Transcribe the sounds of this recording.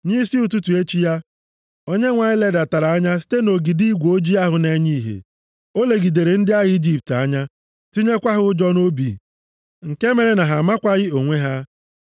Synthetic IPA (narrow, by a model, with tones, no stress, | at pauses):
ɲi˦si˦ʊ˨tu˦tu˨e˦t͡ʃi˦ja˦ | o˦ɲe˦ŋʷa˨ɲɪ˦le˦da˨ta˨ɾa˨a˦ɲa˦s̬i̥˦te˦no˨ɡi˨di˦ɡʷo˦d͡ʒi˦a˦ɦʊ˨ne˦ɲi˦˨ɦḛ˨ | o˦le˨ɡi˨de˨ɾe˨n̩˦dɪ˦a˦ɣi˦d͡ʒi˦p̚ta˦ɲa˦ | ti˦ɲe˦kʷa˦ɦʊ˦ʊ˦d͡ʒɔ˦no˦bḭ˨ | ŋ̩˨ke˦me˨ɾe˨na˨ɦa˨ma˦kʷa˦ɣɪ˦o˨ŋʷe˦ɦa˦